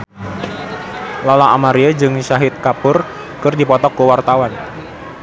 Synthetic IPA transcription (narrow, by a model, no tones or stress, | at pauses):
lalaʔamaɾiad͡ʒɨŋʃaɦɪt̪̚kapʊr | kɨrdipɔt̪ɔkːuwart̪awan